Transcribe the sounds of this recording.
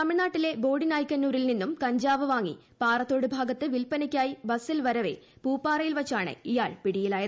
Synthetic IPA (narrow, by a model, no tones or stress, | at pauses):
t̪ɐmiɻnaːʈːile̞bo̞ːɽinaːjkʲːɐnːuːɾilninːumkɐɲd͡ʑaːʋɐʋaːŋːḭ | paːrɐt̪ːo̞ːɽɨbʱaːɡɐt̪ːɨʋilpɐnikʲːaːjibɐsːilʋɐɾɐʋe̞̰puːpːaːrɐjilʋɐt͡ɕːaːɳɨ̰ijaːɭpiɽijilaːjɐ